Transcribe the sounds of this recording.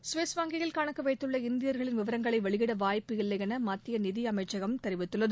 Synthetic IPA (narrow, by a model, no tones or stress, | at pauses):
sʋeːsʋaːŋɡɪjɐlkaːɳɐkːɯʋɐɪt̪ːɯɭːɐɪnd̪ɪjɐɾɣɐɭɪnʋɪʋɐɾɐŋɡɐɭɐɪʋɐɭɪɣɪɽɐʋaːjpːɯɪɭːɐɣɐnɐmɐt̪ːɪjɐnɪðɪɐmɐɪt͡ʃːɐɣɐmt̪ɛɾɪʋɪt̪ːɯɭːɐðɯ